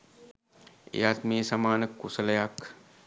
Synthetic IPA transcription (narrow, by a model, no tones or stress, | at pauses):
ḛat̪meːsɐmaːnəkːusəlɐjak